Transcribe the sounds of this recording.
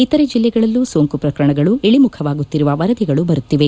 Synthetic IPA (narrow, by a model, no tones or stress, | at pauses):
it̪ɐɾed͡ʒilːɛɡɐɭɐlːusoːŋkupɾɐkɐɾɐɳɐɡɐɭueɭimukʰɐʋaːɡut̪ːiɾuʋɐʋɐɾɐd̪iɡɐɭubɐɾut̪ːiʋe̞